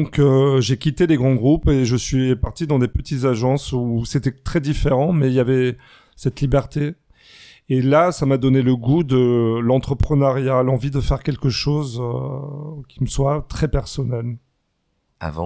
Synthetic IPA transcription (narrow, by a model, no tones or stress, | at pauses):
ɔ̃køʒekʲit̪eleɡʁɑ̃ɡʁupeʒəsɥipaʁt̪id̪ɑ̃d̪epət̪it̪zaʒɑ̃suset̪ɛt̪χɛd̪ifeʁɑ̃mɛilavɛ | sɛt̪libɛʁt̪eː | lasamad̪ɔneləɡud̪əlɑ̃t̪χəpχənaʁjalɑ̃vid̪əfɛʁkʲɛlkəʃozø | kʲi̥məswat̪χɛpɛʁsɔnɛl | a̰vɑ̰̃